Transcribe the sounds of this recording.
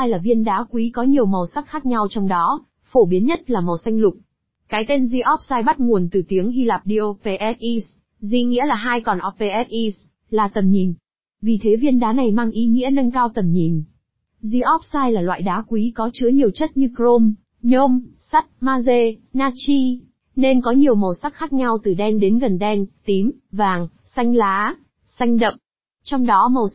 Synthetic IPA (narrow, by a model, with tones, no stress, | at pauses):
a˧jlaː˨˩vi˧ənɗaː˨˦kwi˨˦kɔ˨˦ɲi˨˩əwmə˨˩wsa˦˥k̚xaː˦˥k̚ɲa˧wt͡ɕɔ˧wŋ͡mɗɔ˨˦ | fo˧˩ɓi˨˦ənɲə˦˥t̚laː˨˩mə˨˩wsa˧jŋ̟lʊ˨˩k͡p̚ | kaː˨˦jt̪e˧nzi˧ʔɔ˦˥p̚saː˧jɓa˦˥t̚ŋu˨˩ənt̪ɨ˨˩t̪i˨˦əŋhi˧laː˨˩p̚ɗi˧ʔo˧pe˧ʔɛ˦˥t̚ʔi˧s | zi˧ŋḭ˧˥əlaː˨˩ɦaː˧jkɔ˨˩nʔɔ˦˥p̚pe˧ʔɛ˦˥t̚ʔi˧s | laː˨˩t̪ə˨˩mɲi˨˩n | vi˨˩t̪ʰe˨˦vi˧ənɗaː˨˦na˨˩jmaː˧ŋʔi˨˦ŋḭ˧˥ənə˧nkaː˧wt̪ə˨˩mɲi˨˩n | zi˧ʔɔ˦˥p̚saː˧jlaː˨˩lwa̰ː˧˨jɗaː˨˦kwi˨˦kɔ˨˦t͡ɕɨ˨˦əɲi˨˩əwt͡ɕə˦˥t̚ɲɨ˧kɾo˧m | ɲo˧m | sa˦˥t̚maː˧ze˧naː˧t͡ɕi˧ | ne˧nkɔ˨˦ɲi˨˩əwmo˨˩sa˦˥k̚xaː˦˥k̚ɲa˧wt̪ɨ˨˩ɗɛ˧nɗe˨˦nɣə˨˩nɗɛ˧nt̪i˨˦mvaː˨˩ŋ | sa˧jŋ̟laː˨˦ | sa˧jŋ̟ɗə̰˧˨ŋ͡m | t͡ɕɔ˧wŋ͡mɗɔ˨˦mə˨˩